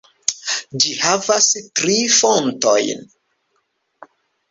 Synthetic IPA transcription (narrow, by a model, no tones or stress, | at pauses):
d͡ʒihavastɾifonto̞̰jn